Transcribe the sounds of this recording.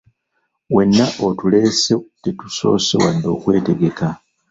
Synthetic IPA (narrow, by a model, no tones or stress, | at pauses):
we̞nːaʔotule̞ːsetetu̥so̞̰ːsewadːo̞ːkwe̞ːte̞ɡe̞ka